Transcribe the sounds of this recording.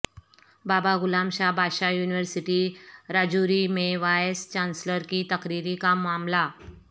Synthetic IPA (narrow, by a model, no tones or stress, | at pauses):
babaɡulamɕabʱaɕajuːniʋəɾsiʈiɾad͡ʑuɾimeʋajest͡ɕansləɾkiːt̪əkɾiɾikamːamla